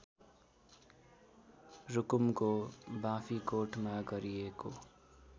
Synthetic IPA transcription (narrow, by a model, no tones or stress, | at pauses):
ɾʊkumkobãpʰikoʈmaɡʌɾieko